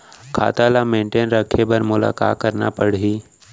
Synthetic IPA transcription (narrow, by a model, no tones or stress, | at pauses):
kʰa̰ːt̪alamẽːɳʈeːnɾəkʰepəɾmʊla̰ːka̰ːt̪̚kəɾna̰pəɽɦiː